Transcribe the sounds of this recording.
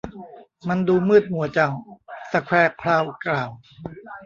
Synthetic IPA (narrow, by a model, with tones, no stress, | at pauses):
ma˧nduː˧mɯː˥˩t̪̚mu˨˩˦ɐt͡ɕa˨˩wsa˧kʰwɛː˧˩pʰɾaː˧wklaː˨˩w